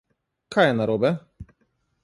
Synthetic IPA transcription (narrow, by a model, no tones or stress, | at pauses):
kʰajɛnaɾɔbɛ